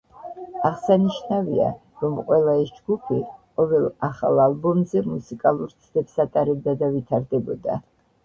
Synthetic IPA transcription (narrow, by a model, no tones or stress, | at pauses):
aʁsaniʃnavia̰ | ɾɔmqʼwɛlˠaɛsd͡ʒɡupʰiqʼɔvɛlˠaχa̰lˠalˠbɔmzɛmusikʼalˠuɾt̪sʰd̪ɛpsat̪ʼaɾɛbd̪ad̪avit̪ʰaɾd̪ɛbɔd̪a̰